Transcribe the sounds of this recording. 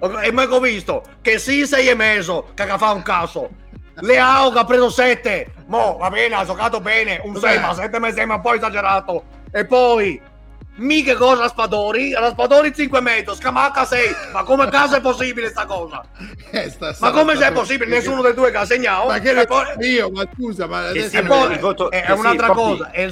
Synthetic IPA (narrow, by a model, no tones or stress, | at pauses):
ɛmːɛkɔvist̪o | kesisɛjɛmɛzokakafauŋkaːso | leaokapːɾeːzosɛt̪ːemɔvabɛːnad͡ʒokaːt̪obɛːneunsɛjmas̬ɛt̪̬ːemasɛmampɔjɛzad͡ʒɛɾaːt̪o | epːɔi | mikekɔːzaaspad̪ɔːɾiɾaspad̪oːɾit̪siŋkwemɛd̪oskamakːasɛjmakːomekaːzoɛpːosːiːbilest̪akɔːza̰ | ɛst̪amakːomesɛpːosːiːbilenesːuːnod̪ed̪uːekas̬ːeɲːaːoakɛpːɔiomaskuːzamaɛpːɔɛɛunalt̪ɾakɔːzaɛ